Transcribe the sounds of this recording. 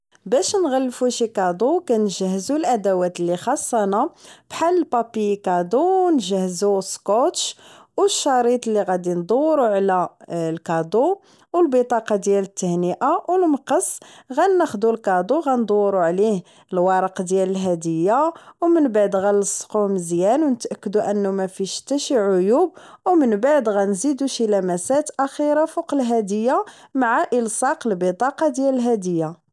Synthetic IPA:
bæʃnɣælːfuʃikɑd̪ˤukænʒəhːzulʔæd̪æwæt̪lːixɑsˤːɑnabħalːpɑpikɑd̪uwnʒəhzuskot̪ʃwəʃːɑɾˤit̪ˤlːiɣæd̪ind̪ˤuwːɾuʕlælkɑd̪ˤu | wəlbət̪ˤɑqɑd̪jælət̪ːəhnəʔawlməqəsɣænːæxd̪ulkɑd̪ˤuɣænd̪ˤoːɾuʕlih | əlwɑɾˤəqd̪jæləlɦæd̪əjːawmənbaʕd̪ɣæləsˤquməzjænwnət̪ʔækːəd̪uʔənːumæfiʃt̪æʃiʕʊjub̚wmənbaʕd̪ɣænzid̪uʃilæmæsæt̪ʔæxiɾafuqəlɦæd̪əjːamaʕaʔəlsɑqəlbət̪ˤɑqɑd̪jæləlɦæd̪əjːa

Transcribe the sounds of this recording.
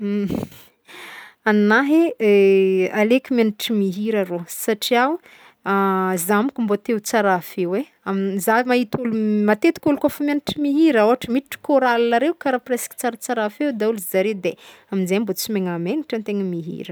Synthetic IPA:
annaɦe | alekʲimaniʈ͡ʂimiɦiɾaɾosaʈ͡ʂiaw | azamikʲumbot̪ewt͡saɾafewe | amzaimaɦit̪ulumat̪et̪i̥kʲulukofəmʲaniʈ͡ʂimiɦiɾəoɦaʈ͡ʂəmiiʈ͡ʂi̥koɾalinaɾewkaɾapreski̥t͡saɾat͡saɾafewd̪auluzaɾed̪e | aminzajmbot͡simeŋameniʈ͡ʂənt̪eŋəmiɦḭɾə

